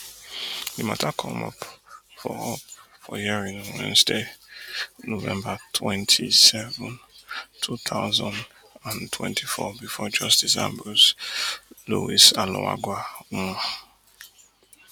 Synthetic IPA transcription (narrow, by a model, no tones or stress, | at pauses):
ima̰takʰɔ̃mɔ̰pfɔɔpfɔjiɹĩnwɛ̰̃nsde | novɛ̰̃mbatʰwɛ̃ntʰisɛvʊ̃ntʰuθʰaʊzãnd | ãntʰwɛ̰̃ntʰifɔbifɔd͡ʒɔstisã̰mbɔs | luwisalɔ̰̃wa̰ɡʷama